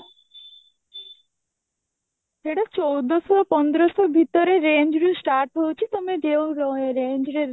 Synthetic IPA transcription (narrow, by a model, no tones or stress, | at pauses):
eɽat͡ʃowd̪ɔsɔpɔnd̪ɾɔsɔbʱit̪ɔɾeɾend͡ʒɾusʈaɾʈɦowt͡ʃʰit̪omed͡ʒeoɾɔeɾend͡ʒɾe